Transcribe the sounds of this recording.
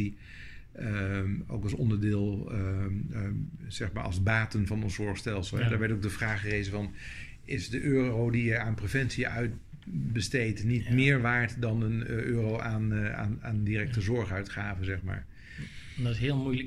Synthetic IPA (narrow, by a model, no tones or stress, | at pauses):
i | o̰wkɑlˠsɔ̰ndəɹdɪːlˠ | z̥ɛχma̰ːɹʔɑ̰lˠzbaːtənvɑnənzɔɹχstɛlˠsəlˠɦɛdaːɹʋɛɹtoɡ̚dəvraːχərejzənvɑn | ɪzdəʔøːrowdiəaːnprevɛnsiəœɥt | bəstejtnitmɪːɹʋaːɹtdɑnənʔøːrowʔaːna̰naːndirɛk̚təzɔɹχœɥtχaːvənzɛχma̰ːɹ | ndtɪsɦɪːlˠmujlə